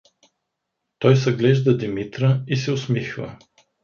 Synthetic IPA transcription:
t̪ɔjsɐɡlɛʒd̪ɐd̪imit̪ɾəisɛʊsmixvɐ̰

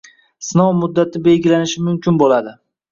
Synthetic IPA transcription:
snɒwmʊd̪ːat̪ʰɪbe̞lɡʲɪlanɪʃɪmʊmkʲɪnbolad̪ɪ

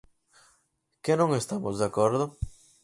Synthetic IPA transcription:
kenõŋest̪amozðeakoɾðʊ

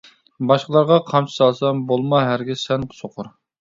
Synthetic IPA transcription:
bɑʃqəlˠɑɾʁɑqʰɑmt͡ʃʰi̥sɑlˠsɑmbolˠmɑɦæɾɡʲisɛnsoqʰʊɾ

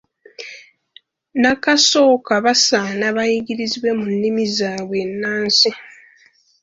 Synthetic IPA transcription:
nakaso̞ːkaβasanaβajiɡiɾiziβwe̞munːimizaːβwe̞nːaːnsi

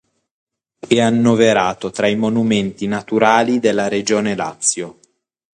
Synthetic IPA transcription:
ɛanːoveɾaːt̪ot̪ɾaimonument̪inat̪uɾaːlid̪elːaɾed͡ʒoːnela̰t̪sːjo

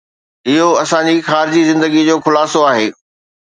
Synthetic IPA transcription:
ɪɦoɐsãɲd͡ʑixaːɾɪd͡ʑizɪ̃nd̪əɡid͡ʑoːxʊlaːsoaːɦeː

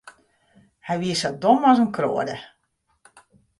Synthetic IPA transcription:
hɛjʋiəsɔdomɔzənkro̰ədə

